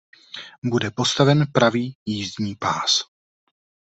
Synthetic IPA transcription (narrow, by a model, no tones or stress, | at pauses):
budɛpo̞st̪avɛnpɾaviːjiːzdɲiːpaːs